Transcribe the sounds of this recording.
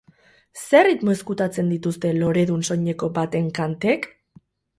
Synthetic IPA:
se̞rit̪mo̞eskut̪at͡se̞nd̪it̪ust̪e̞lo̞ɾe̞ðunso̞ɲe̞ko̞bat̪e̞ŋkant̪e̞k

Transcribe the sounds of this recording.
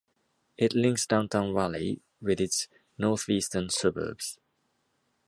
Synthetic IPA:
ʔɪtlɪ̃ŋksd̥ãʊ̃ntʰãʊ̃nɹali | wɪðɪts | nɔˑθiːˑstənsʌbə̰bz̥

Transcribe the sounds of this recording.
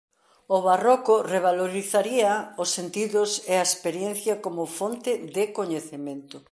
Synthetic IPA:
ʊβarokʊreβ̞aloɾiθaɾiɐʊsːent̪iðʊseaespeɾjenθjɐkomʊfont̪ɪðɪkoɲeθemẽnt̪ʊ

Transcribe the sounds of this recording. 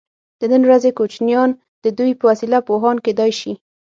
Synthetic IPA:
d̪̥ənənwɾazekot͡ʃnjɑn | d̪̥əd̪ujpəwasilapoɦɑnked̪ɑjʃi

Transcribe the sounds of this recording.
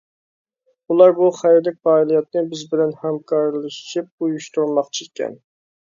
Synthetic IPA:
ulˠɑɾbuχæjɾd̪ɪk̚ʲfɑːilˠijɑt̪̚nɨbɪzbɪlɛnhɛmkʰɑɾlˠɨʃʃip̚ujuʃt̪uɾmɑqt͡ʃʰikʲʰːɛ̰n

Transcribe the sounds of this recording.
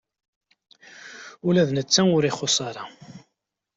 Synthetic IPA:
ulæðnət͡sːæʊɾɪχosˤɑɾˤɑ

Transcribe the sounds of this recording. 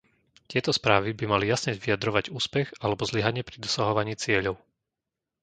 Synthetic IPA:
t̪ɪɛt̪ɔspɾaːʋibimalijasɲɛʋijad̪ɾɔʋaɟuːspɛɣalɛbɔzliɦaɲɪɛpɾid̪ɔsaɦɔʋaɲiːt͡sɪɛʎɔʊ

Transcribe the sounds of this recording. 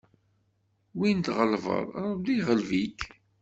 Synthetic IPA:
wint̪ʁəlvə̰ɾˤɾˤd̪iʁəlvik

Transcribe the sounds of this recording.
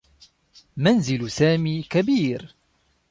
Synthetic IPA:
manzɪlsaːmiːkabiːɾ

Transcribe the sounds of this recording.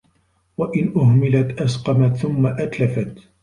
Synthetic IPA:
waʔɪnʔʊhmɪlat̪ʔasqɑmat̪θʊmːaʔat̪lafat̪

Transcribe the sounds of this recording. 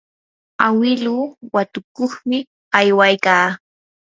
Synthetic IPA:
awɪluːwat̪ʊkoχmɪ | ajwajkaː

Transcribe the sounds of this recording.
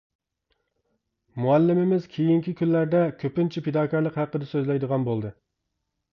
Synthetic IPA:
muɛlːɪmɪmɪz̥kʲʰejiŋkʲikʲʰynːæɾd̪ɛkʲʰøpɪnt͡ʃʰiped̪ɑːkʰɑɾlˠəqhæqːəd̪ɛsøzlɛjd̪əʁɑnbolˠd̪ɨ

